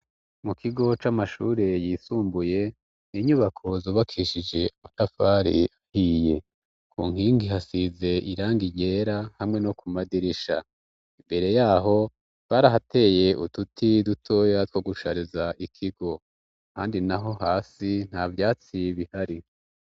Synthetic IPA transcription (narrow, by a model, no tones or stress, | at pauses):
mukʰiɡo̞t͡ʃamaʃuːɾe̞jiːsuːmbuje̞ | niɲuβakʰo̞zuːβakʰiʃid͡ʒe̞amatafaɾḭahiːje̞ | kʰṵːŋ̥iːŋɡiɦasize̞ʔiɾaːŋɡiɟe̞ːɾahamŋe̞no̞kumadiɾiʃa̰ | imbe̞ɾe̞jaːɦo̞ | βaɾaɦate̞ːje̞ʔututʰidutʰo̞ːjatkwoɡuʃaɾizaʔikʰiɡo̞ | ka̰ːndinaɦo̞haːsin̥havjaːt͡siβihaɾi